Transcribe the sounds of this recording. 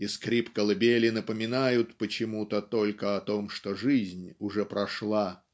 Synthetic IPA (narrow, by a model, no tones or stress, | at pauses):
ɪskɾʲipkəlˠɨbʲelʲɪnəpəmʲɪnajʊt̪pət͡ɕɪmut̪ət̪o̞lʲkəɐt̪o̞mʂt̪o̞ʐɨzʲnʲʊʐɛpɾɐʂlˠa